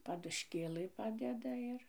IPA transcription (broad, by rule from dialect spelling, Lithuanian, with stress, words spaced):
pɐdʊʃʲˈkʲeːlˠɨ ˈpɑːdʲɛdɐ ˈɪr